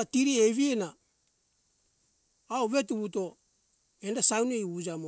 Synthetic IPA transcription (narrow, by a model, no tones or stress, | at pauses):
atiɾieβiena | oβe̞tuβuto̞ | endasawnejud͡ʒamo